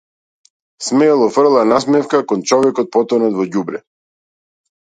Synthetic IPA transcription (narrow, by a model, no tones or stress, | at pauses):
smɛːlˠɔfr̩lˠanasmɛfkakɔnt͡ʃɔvɛkɔt̪̚pɔt̪ɔnɔd̪vɔɟubɾɛ